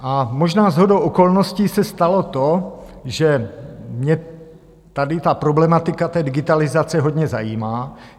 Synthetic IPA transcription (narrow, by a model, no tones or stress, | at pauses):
ʔamo̞ʒnaːzɦo̞dowʔoko̞lnoscisɛst̪alo̞t̪oʒɛmɲɛ | t̪adɪt̪apɾoblɛmat̪ɪkat̪ɛːdɪɡɪt̪alɪzat͡sɛɦo̞dɲɛza̰jiːmaː